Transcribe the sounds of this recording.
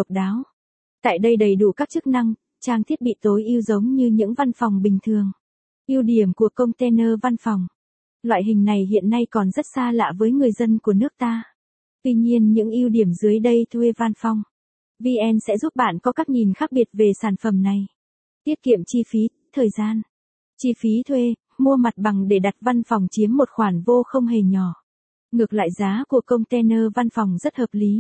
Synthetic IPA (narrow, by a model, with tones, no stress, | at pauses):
wk͡p̚ɗaː˨˦w | t̪a̰ː˧˨jɗə˧jɗə˨˩jɗu˧˩kaː˦˥k̚t͡ɕɨ˦˥k̚na˧ŋ | t͡ɕaː˧ŋt̪ʰi˦˥ət̚ɓḭ˧˨t̪o˨˦jʔi˧əwzə˨˦wŋ͡mɲɨ˧ɲɨ̰˧˥ŋva˧nfɔ˨˩wŋ͡mɓï˨˩ŋ̟t̪ʰɨ˨˩əŋ | ʔi˧əwɗi˧˩əmku˨˩əkə˧wŋ͡mt̪e˧nəː˧va˧nfa˨˩wŋ͡m | lwa̰ː˧˨jɦï˨˩ŋ̟na˨˩jɦḭ˧˨ənːa˧jkɔ˨˩nzə˦˥t̚saː˧la̰ː˧˨vəː˨˦jŋɨ˨˩əjzə˧nku˧˩ənɨ˦˥ək̚t̪aː˧ | t̪wi˧ɲi˧ənɲɨ̰˧˥ŋʔi˧əwɗi˨˩əmzɨ˨˦əjɗə˧jt̪ʰwe˧va˧nfɔ˧wŋ͡m | vi˧ʔɛ˧nsɛ̰˧˥zu˦˥p̚ɓa̰ː˧˨nkɔ˨˦kaː˦˥k̚ɲi˨˩nxaː˦˥k̚ɓi˨˩ət̚ve˨˩saː˧˩nfə˧˩mna˨˩j | t̪i˦˥əp̚kḭ˧˨əmt͡ɕi˧fi˨˦ | t̪ʰəː˨˩jzaː˧n | t͡ɕi˧fi˨˦t̪ʰwe˧ | mu˧əma˨˩t̚ɓa˨˩ŋɗe˧˩ɗa˨˩t̚va˧nfa˨˩wŋ͡mt͡ɕi˨˦əmːo˨˩t̚xwaː˧˩nvo˧xə˧wŋ͡mɦe˨˩ɲɔ˧˩ | ŋɨ˨˩ək̚lwa̰ː˧˨jzaː˨˦ku˧˩əkə˧wŋ͡mt̪ɛ˧nəː˧va˧nfɔ˨˩wŋ͡mzə˦˥t̚həː˨˩p̚li˨˦